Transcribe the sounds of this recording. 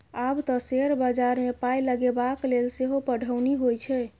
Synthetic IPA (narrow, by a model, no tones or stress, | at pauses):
abt̪ɔseɾbəd͡ʒaɾmepajləɡebaklelseɦopəɽ̤ʱəwniɦojt͡ʃʰɛ